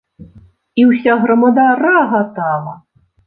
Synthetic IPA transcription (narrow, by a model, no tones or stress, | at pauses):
iwsʲaɣɾɐmɐd̪aɾaɣat̪ɑlˠɐ